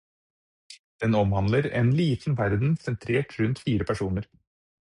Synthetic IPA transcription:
d̪̥ɛnɔmhɑnd̪ləɾɛ̰nliːt̪n̩ʋæɾd̪n̩sɛnt̪ʰɾeːʈʰɾʉnt̪fiːɾəpʰæʂuːnəɾ

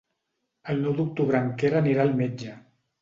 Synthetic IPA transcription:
əlˠnɔwd̪uk̚t̪uβɾaŋkeɾaniɾalˠmed͡ʒə

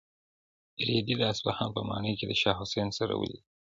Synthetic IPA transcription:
ɾed̪ilaːsbahɑnpəmɑ̰nəjked̪əʃɑɦʊsensaɾa̰wə̰li

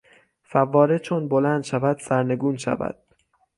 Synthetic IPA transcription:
fævːɒːɾet͡ʃʰonbolænd̪ʃævæd̪̥sæɾne̞ɡuːnʃæ̰væ̰d̪̥̚

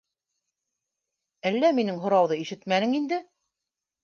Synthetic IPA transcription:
ælːæminɘŋɦŏɾɑwðɤiʃɘt̪mænɘŋind̪ɘ

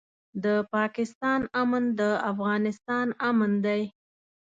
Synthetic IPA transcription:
d̪əpɑkɪst̪ɑnamand̪əafɣɑnɪst̪ɑnamand̪aj

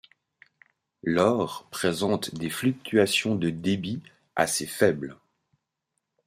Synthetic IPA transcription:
lɔʁpχezɑ̃t̪d̪eflyk̚t̪ʰyasjɔ̃d̪əd̪ebi | a̰sefɛbl

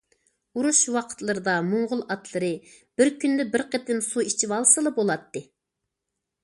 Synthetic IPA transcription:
uɾuʃwɑqʰə̥t̪lˠɨɾɨd̪ɑmuɴʁʊlˠɑt̪ʰlˠɨɾɨ | b̥ɪɾkʲʰynd̪ɛbɪɾqʰət̪ɪnsuit͡ʃʰiwɑlˠsɨlˠɨbolˠɑt̪ːɨ

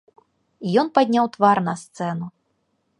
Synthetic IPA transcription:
ijɔnpad̪ʲnʲawt̪varnɐst̪sɛnu

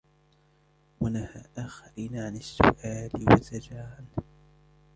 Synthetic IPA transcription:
wanahaːʔaxaɾiːnaʕanɪsːʊ̰ʔaːlɪwa̰t̪ad͡ʒaːhal

